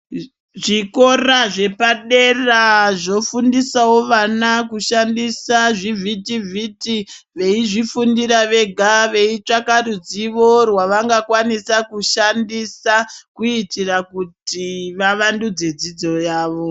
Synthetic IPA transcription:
ʐiko̞raʐe̞paɗeraʐo̞fundisawo̞ʋanakuʃandisaʐivʱitiviti | ʋe̞iʐifundiɾaʋe̞ɡʱaʋe̞it͡ʂakarud͡ziʋo̞rwaʋaŋɡakwanisakuʃandisakuitirakutiʋaʋandud͡ze̞d͡zid͡zo̞jaːʋo̞

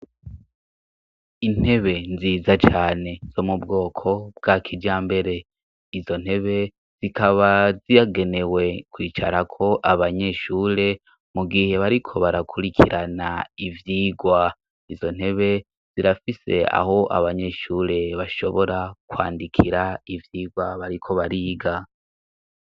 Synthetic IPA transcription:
in̥he̞βe̞nziːzat͡ʃaːne̞z̥o̞mubɡo̞ːkʰo̞b̚ɡaːkʰiɟaːmbe̞ɾe̞ | izo̞n̥he̞βe̞ | z̥ikaβazijaɡe̞ne̞we̞kwiːt͡ʃa̰ɾakʰo̞ʔaβaɲe̞ʃuːɾe̞ | muɡihe̞βaɾikʰo̞βaɾakʰuɾikʰiɾʔanaivjiːɡwa | izo̞n̥he̞βe̞ | z̥iɾafise̞a̰ho̞ʔa̰βaɲe̞ʃuːɾe̞βaʃo̞βoɾakwa̰ːndikʰiɾaivjiːɡwaβaɾikʰo̞βaɾiːɡa

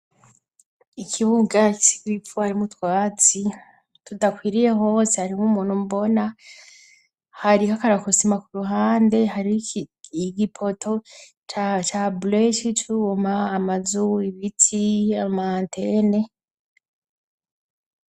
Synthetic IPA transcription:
ikʰiβuɡaki̥si̥ɡɾifuhaɾimutwaːt͡si | tudakwiːɾiɾe̞ho̞ːsehaɾimumuːn̥humbo̞na | haɾihakaɾakusimakuɾuɦaːnde̞ɦaɾiiɡipʰo̞tʰo̞ | t͡ʃat͡ʃableʃit͡ʃuomaːmazuiβitʰiamaantʰene̞

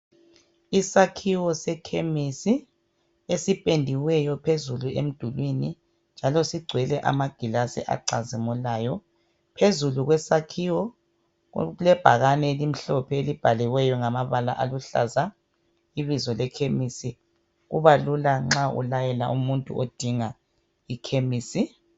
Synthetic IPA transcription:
isakʰiwɔsɛkʰemisi | esipʼendʱiwɛjɔpʰezuluʔḛm̩d̥ʱulwini | nd͡ʒʱalɔsiɡ͡ǀʱwɛlɛʔa̰maɡ̥ʱilasḭʔa̰ǀazimulaːjɔ | pʰezuluɣwɛsakʰiwɔ | lɛb̥ʱaɣanɛlim̩ɬɔpʰɛelib̥ʱaliwɛjɔŋamaβala̰ʔa̰luɬa̰za | iβizɔlɛkʰemisi | ɣuβalulaŋ͡ǁaṵlajɛla̰ʔumuntʼṵʔod̥ʱiŋa | ikʰemiːsi

